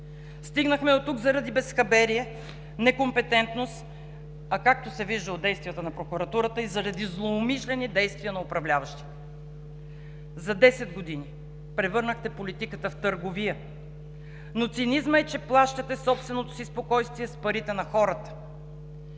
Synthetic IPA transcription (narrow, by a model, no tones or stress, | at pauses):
st̪iɡnəxmɛd̪ot̪uɡzɐɾɐd̪ibɛsxɐbɛɾiɛ | nɛkompɛt̪ɛnt̪nost̪ | ɐkak̚t̪osɛviʒd̪əod̪ɛjst̪vijɛt̪ənɐpɾokuɾɐt̪uɾət̪əizɐɾɐd̪izlˠoːmiʃlɛnid̪ɛjst̪viənɐʊpɾɐvlʲavəʃt̪i̥ | zɐd̪ɛsɛd̪ɡod̪ini | pɾɛvɤɾnəxt̪ɛpolit̪ikət̪əft̪əɾɡoviə | not̪sinizməɛt͡ʃɛplˠaʃt̪ɐt̪ɛsɔpst̪vɛnot̪o̥sispokɔjst̪viɛspɐɾit̪ɛnɐxɔɾət̪ə̥